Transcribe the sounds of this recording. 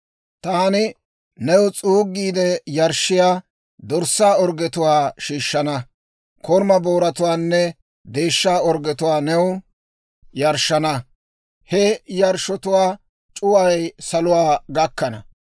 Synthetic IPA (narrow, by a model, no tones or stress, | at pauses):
t̪aɐnɪ | nɛwʊt͡sʼuːɡːiːd̪ɛjɐɾʃːɪjaː | d̪ɔɾsːaːɔɾɡɛt̪ʊwaːʃiːʃːɐnɐ | kɔɾmɐboːɾɐt̪ʊwaːnːɛ | d̪e̞ːʃːaːɔɾɡɛt̪ʊwaːnɛwʊ | jɐɾʃːɐnɐ | hɛjɐɾʃɔt̪ʊwaː | t͡ʃʼʊwɐɐjsɐlʊwaːɡɐkːɐnɐ̰